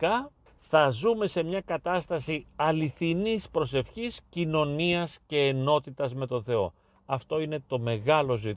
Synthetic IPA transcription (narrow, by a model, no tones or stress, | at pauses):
kɐ | θɐzume̞se̞mɲɐkɐt̪ɐst̪ɐsiɐliθinispɾo̞se̞fçiscino̞niɐsce̞ːno̞t̪it̪ɐzme̞t̪o̞nθe̞o̞̰ | ɐft̪o̞ine̞t̪o̞me̞ɣɐlo̞zi